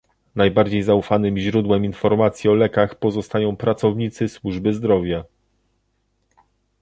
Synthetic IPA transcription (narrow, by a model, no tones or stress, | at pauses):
najbaɾd͡ʑejzaufanɘmʑɾud̪wɛminfɔɾmat̪sʲjiɔlɛkaxpɔzɔst̪ajɔ̃w̃pɾat̪sɔvɲit̪sɘswuʐbɘzd̪ɾɔvʲja